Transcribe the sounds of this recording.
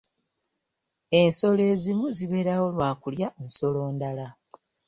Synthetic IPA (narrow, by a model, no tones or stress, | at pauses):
e̞nso̞le̞ːzimuziβe̞ːɾawo̞lwaːkuljanso̞lo̞ːndala